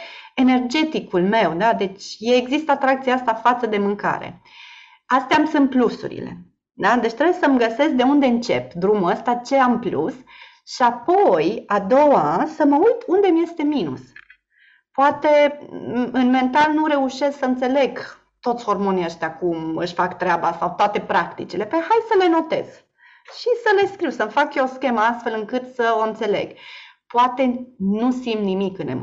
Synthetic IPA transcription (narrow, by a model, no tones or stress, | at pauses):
e̞ne̞rd͡ʒe̞t̪ikulme̞wd̪ad̪e̞t͡ʃʲjeːɡzist̪at̪ɾak̚t̪siaast̪afat̪səd̪e̞mɨŋka̰ɾe̞̰ | ast̪eamsunt̪̚plusṵɾḭle̞̰ | d̪ad̪e̞t͡ʃt̪ɾejesəməɡəse̞sk̚d̪e̞und̪e̞ɨnt͡ʃe̞p̚d̪ɾumuləst̪at͡ʃe̞amplṵs | ʃiapo̞jad̪o̞wasəməujt̪und̪e̞mje̞st̪e̞minṵs | poat̪e̞ | ɨnme̞nt̪alnuɾe̞uʃe̞sksəɨnt̪se̞le̞ɡ | t̪o̞t̪sʲho̞rmoniəʃt̪ʲakumɨʃfakt̪ɾeabasawt̪oat̪e̞pɾakt̪ḭt͡ʃile̞pehajsəle̞no̞t̪e̞̰z̥ | ʃisəle̞skɾiwsəmfakjeoskʲe̞məast̪fe̞lɨŋkɨt̪səo̞ɨnt̪se̞le̞̰ɡ̥poat̪e̞nusimnimikɨnḛ